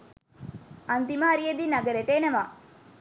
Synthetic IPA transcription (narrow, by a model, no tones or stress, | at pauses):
ɐnt̪imaːɾied̪inaɡəɾeʈeːnɐʋa